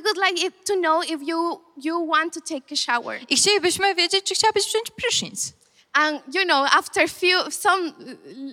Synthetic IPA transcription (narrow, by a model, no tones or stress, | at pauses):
awʊdlajkɪtːunoʊɪfju | juwɑ̃nt̪ːut̪ʰeɪkəʃawə̰˞ixt͡ɕelʲibɘɕmɨvʲjed͡ʑet͡ɕ̚t͡ʃɨxt͡ɕawabɨɕpsɛ̃ɲ̃t͡ɕpɾɨʂḭ̃ns | ãnjunoʊaft̪ə˞fjusʌ̃m